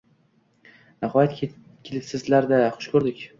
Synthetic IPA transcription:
nahɒjat̪ʲʰ | kʲʰɪlɪpsɪzlaɾd̪aχʊ̥ʃkʰɵɾd̪ɪkʲ

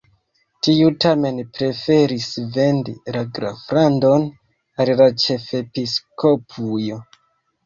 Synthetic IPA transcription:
tiutame̞npɾe̞fe̞ɾisve̞ndilaɡɾafɾando̞n | alilat͡ʃe̞fe̞piskʰo̞pʰujo̞

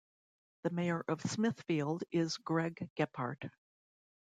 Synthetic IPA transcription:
ðɨmeɪə˞ʔʌv̥smɪθfilˠdɪzɡɹɛɡɛpʰɑ̰ɹt

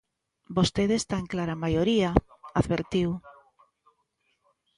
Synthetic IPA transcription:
bost̪eðest̪aẽŋklaɾamajoɾiaaðβeɾt̪iw

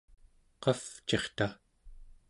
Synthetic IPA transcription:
qɑft͡ʃe̞χt̪a

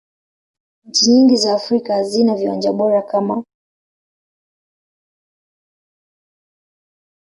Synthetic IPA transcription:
ɲ̩t͡ʃiɲiŋɡizaːfɾikazinaviwa̰nd͡ʒaɓɔɾakama

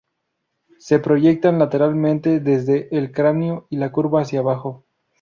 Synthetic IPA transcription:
se̞pɾo̞ʝe̞k̚t̪anlat̪e̞ɾalmẽ̞nt̪e̞ðe̞zðe̞ʔːlkɾanjoilakuɾβaːsjaβaxo̞

